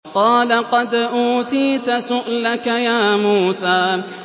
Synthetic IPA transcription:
qɑːlaqɑd̪ʔuːt̪iːt̪asʊʔlakajaːmuːsaː

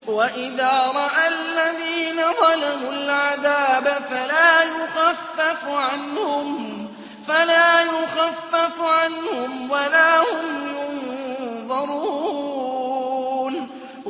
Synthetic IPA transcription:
waʔɪðaːɾˤɑʔalːaðiːnaðˤɑlamʊlʕaðaːbafalaːjʊxafːafʕanhʊm | falaːjʊxafːafʕanhʊmwalaːhʊmjʊnnðˤɑɾuː | n

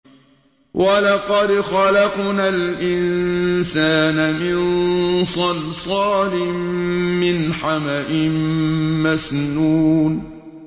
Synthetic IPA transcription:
wʔalɑqɑd̪xɑlɑqnalʔɪnnsaːnamɪnsˤɑlsˤɑːnɪmːɪnħamaʔɪmmasnuːn

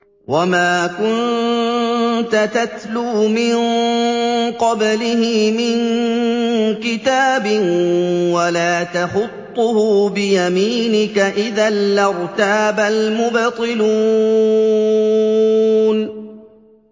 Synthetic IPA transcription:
wamaːkʊn | t̪at̪at̪luːmɪn | qɑblɪhɪmɪŋ | kɪt̪aːbɪnwalaːt̪axʊt̪ˤːʊhʊbɪjamiːnɪkaʔɪðalːɑɾt̪aːbalmʊbt̪ˤɨlu | n

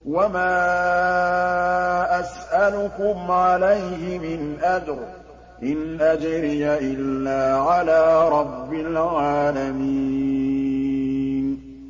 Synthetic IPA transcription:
wamaː | ʔasʔalʊkʊmʕalajhɪmɪnʔad͡ʒɾ | ʔɪnʔad͡ʒɾɪjaʔɪlːaːʕalaːɾˤɑbːɪlʕaːlami | n

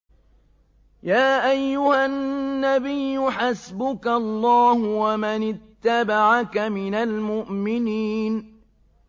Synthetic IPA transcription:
jaːʔajːʊhanːabɪjːʊħasbʊkaɑlˤːɑːhʊwamanɪt̪ːabaʕakamɪnalmʊʔmɪniːn

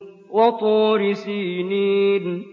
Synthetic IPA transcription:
wɔtʊɾisinid̩

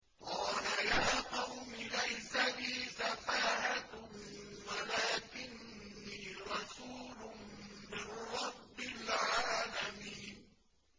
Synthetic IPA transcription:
qɑːlajaːqɑwmɪlajsabiːsafaːhat | walaːkɪnː | iːɾˤɑsuːlʊmɪnɾˤɑbːɪlʕaːlamiːn

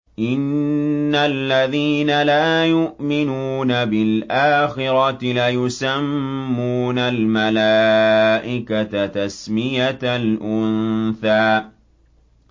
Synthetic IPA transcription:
ʔɪnː | alːaðiːnalaːjʊʔmɪnuːnabɪlʔaːxɪɾɑt̪ɪlajʊsamːuːnalmalaːʔɪkat̪at̪asmɪjat̪lʔʊnθaː

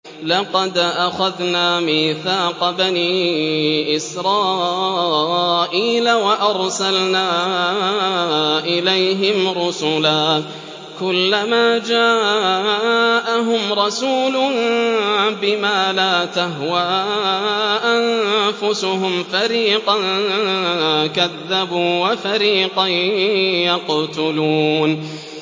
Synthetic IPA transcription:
lɑqɑd̪ʔaxaðnaːmiːθaːqɑbaniːʔɪsɾˤɑː | ʔiːlawaʔɑɾˤsalnaː | ʔɪlajɦɪmɾʊsʊlaː | kʊlːamaːd͡ʒaː | ʔaɦʊmɾˤɑsuːlʊn | bɪmaːlaːt̪aɦwaːʔanfʊsʊɦʊmfaɾiːqɑn | kaðːabuːwafaɾiːqɑ | jɑqt̪ʊluːn

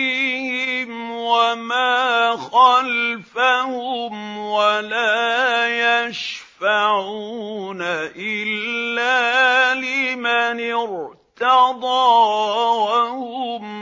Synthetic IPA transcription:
hɪm | wamaːxalfahʊmwalaːjaʃfaʕuːnaʔɪlːaːlɪmanɪɾt̪ɑd̪ˤɑː | hʊm

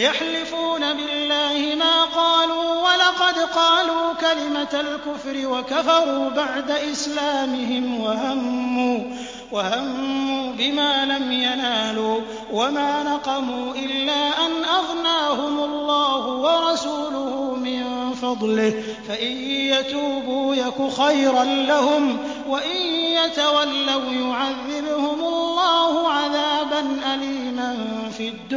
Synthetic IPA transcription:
jaħlɪfuːnabɪlːaːhɪmaːqɑːluːwalɑqɑd̪qɑːluːkalɪmaalkʊfɾɪwakafɑɾˤuːbaʕd̪aʔɪslaːmɪɦɪmwahamːuː | wahamːuːbɪmaːlamjanaːluː | wamaːnɑqɑmuːʔɪlːaːʔanʔaɣnaːhʊmʊlˤːɑːhʊwɑɾˤɑsuːlʊhʊmɪn | fɑd̪ˤlɪh | faʔɪjjat̪uːbuːjakʊxajɾanlahʊm | waʔɪjjat̪awalːawjʊʕaðːɪbhʊmʊlˤːɑːhʊʕaðaːbanʔaliːman | fid̪ːʊ

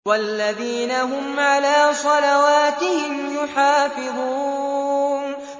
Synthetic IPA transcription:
walːaðiːnaɦʊmʕalaːsˤɑlawaːt̪ɪhɪmjʊħaːfɪðˤuː | n

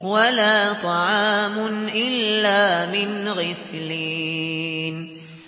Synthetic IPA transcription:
walaːt̪ˤɑʕɑːmʊnʔɪlːaːmɪnɣɪsliː | n

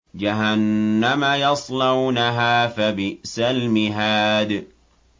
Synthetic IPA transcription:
d͡ʒaɦanːamajɑsˤlɑwnaɦaːfabɪʔsalmɪɦaːd̪

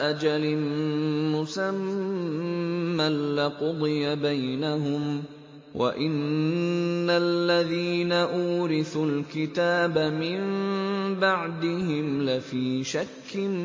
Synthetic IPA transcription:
ʔad͡ʒalɪ | mʊsam | alːɪqʊd̪ˤɨjabajnaɦʊm | wʔa̰ʔɪnː | alːaðiːnaʔuːɾɪθʊlkɪt̪aːbamɪmbaʕd̪ɪhɪmlafiːʃakːɪn

